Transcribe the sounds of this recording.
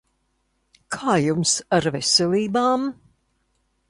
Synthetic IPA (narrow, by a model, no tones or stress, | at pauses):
kʰaːjumsaɾvesʲeliːbaːm